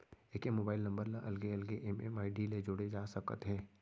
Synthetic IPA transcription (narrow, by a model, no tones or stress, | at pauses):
eːkemoːbaːɪlnɐ̃mbəɾlaʔɐlɡeɐlɡeʔɛmɛmaːiɖiled͡ʒʊɽed͡ʒaːsɐkə̰t̪ɦɛ̃ː